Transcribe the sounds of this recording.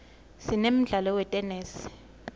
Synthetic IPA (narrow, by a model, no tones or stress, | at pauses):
sinem̩ɮalɔwɛtʼɛnɛːsi̥